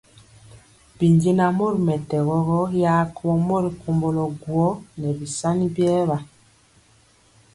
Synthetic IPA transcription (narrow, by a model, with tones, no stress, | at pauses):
bi˨ɲɟe˦na˨mo˦ɾi˨mɛ˨tɛ˨ɣɔ˦ɣɔ˦ja˦kɔ˦mɔ˦ɾi˨ku˨mbɔ˨lɔ˨ɡwɔ˦nɛ˨bi˨sa˦ni˦bjɛː˦βa˨